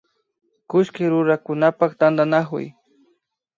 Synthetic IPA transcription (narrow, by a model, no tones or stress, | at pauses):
kʊʃkɪɾʊɾakʊnapakt̪and̪anakʊ̰j